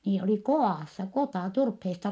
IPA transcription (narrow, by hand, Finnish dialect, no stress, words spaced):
niːl oliˑ koɑˑsːɑ kotɑˑ turpheːstɑ